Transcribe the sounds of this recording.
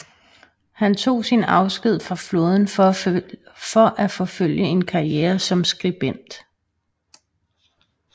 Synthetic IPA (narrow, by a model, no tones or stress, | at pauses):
hænt͡sʰo̝̰ːsinɑ̈ʊsɡ̥ið̞̰ˠfʁɑ̈flo̝ːð̞ˠn̩ | fɒ̽ʔæfɒ̽føl̰jəe̝nkʰɑ̈ieːɐsɒ̽msɡ̥ʁib̥en̰d̥